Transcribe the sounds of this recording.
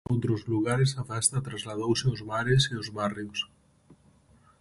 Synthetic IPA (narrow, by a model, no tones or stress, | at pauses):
owt̪ɾozluɣaɾesafɛst̪at̪ɾazlað̞owseozβaɾeseozβarios